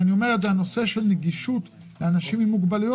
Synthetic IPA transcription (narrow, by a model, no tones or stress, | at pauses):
anio̞me̞ʁetzehano̞se̞ʃe̞lneɡiʃut̪ | leanaʃimimːuɡbalijo